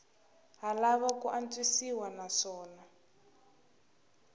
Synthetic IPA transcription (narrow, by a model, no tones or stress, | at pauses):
ɦalaβakuʔant͡swisiwanaʂɔːna